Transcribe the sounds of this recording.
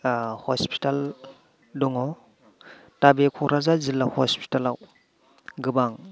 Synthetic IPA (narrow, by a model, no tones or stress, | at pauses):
hɔspʰi̥tal | dɔŋɔ | tabekʰɔɾazazilːahɔspi̥talaw | ɡɯbaŋ